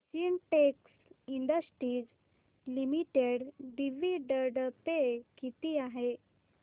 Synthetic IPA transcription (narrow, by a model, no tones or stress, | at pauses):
sinʈeksiɳɖəsʈɾiːd͡z | limiʈeɽɖiʋiɖəɖəpekit̪iaɦe